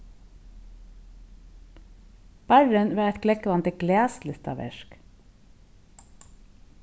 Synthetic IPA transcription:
b̥æɹənʋeːɛt̪klɛkʋɑnt̪əɡleːslɪst̪ɑ̰ʋɛ̰ʃk

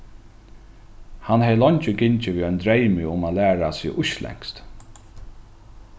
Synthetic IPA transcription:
hanhɛjlɔɲt͡ʃɪɡɪɲt͡ʃɪviːœnd̪ɾejmɪʊmaːlæːɹasiːʔʊʃlɛ̰ŋ̥kst̪

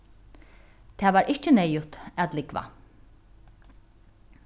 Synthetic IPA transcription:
t̪ʰæːʋaːɾʔɪht͡ʃənɛjʊt̪æt̪lɪkʋa̰

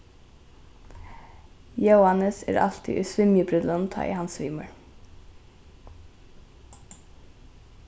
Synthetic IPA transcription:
jəʊɑnəsḛːɾʔɑ̰lt̪ʰɪ̰ʔʉːsʋɪmjəbɾʏd̪lənt̪ʰɑ̰ːʔḭːhɑnsʋiːməɹ

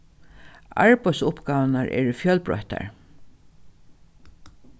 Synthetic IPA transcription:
aɹpœjsʊpɡɑːʋnaɹʔɛ̰ːɹfjœlbɹɔ̰ht̪a̰ɹ

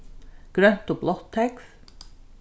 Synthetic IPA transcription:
ɡ̥ɾœnt̪oblɔt̪ʰːɛkf

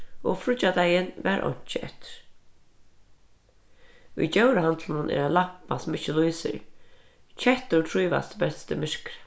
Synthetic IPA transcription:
ɔfɾʊt͡ʃːad̪ajɪnʋæ̰ɾʔɔ̰ɲ̥t͡ʃɪʔɛ̰ht̪ɪ̥ɾ̥ | ʊ̰jt͡ɕɛwɾəɦant̪lɪnʊnʔɛ̰ɾalapːasɔmɪt͡ʃɪlujsɪ̰ɾ | t͡ɕʰɛht̪ʊt̪ʰɾuːʋa̰st̪bɛst̪əmɪʂkɾɪ̥

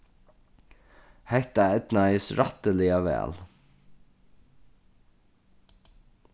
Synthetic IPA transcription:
hɛht̪aɛd̪najsɾat̪əlɪaʋɛ̰ːl

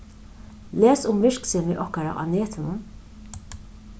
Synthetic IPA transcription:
leːsʊmvɪʂksɛːmɪʔɔhkaɾa̰ʔa̰neːt̪ʰɪnʊn

